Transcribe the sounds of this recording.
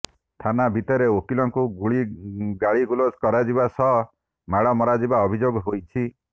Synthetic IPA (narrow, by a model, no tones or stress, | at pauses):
t̪ʰanabʱit̪ɔɾeokilɔŋkuɡuɭiɡaɭiɡuloskɔɾad͡ʒibasɔ | maɽɔmɔɾad͡ʒibaɔbʱid͡ʒoɡɦojt͡ʃʰi